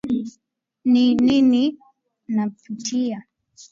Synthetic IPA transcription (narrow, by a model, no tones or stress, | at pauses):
ninini | naputia